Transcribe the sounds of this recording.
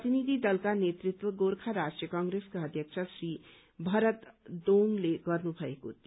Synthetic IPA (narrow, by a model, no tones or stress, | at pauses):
ət̪inid̪ʱid̪ʌlkanet̪ɾit̪wəɡoɾkʰaɾasʈijəkãŋɡɾeskaʌd̪ʱjək̚t͡ʃʰəsɾi | bʱʌɾət̪d̪oŋleɡʌɾnubʱʌeko̰t̪